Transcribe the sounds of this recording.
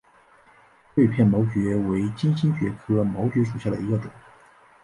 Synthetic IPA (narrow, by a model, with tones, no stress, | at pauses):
t̪we˥˧ɪpʰjɛ˥˩nmo˧˥ʊt͡ɕɥɛ˧˥we˧˥ɪt͡ɕi˥nɕi˥nɕɥɛ˧˥kʰɤ˥mɑ˧˥ʊt͡ɕɥɛ˧˥ʂu˨˩ɕja˥˩d̪ə̰˩i˧˥ɡə˧ʈ͡ʂʊ˨˩˦ŋ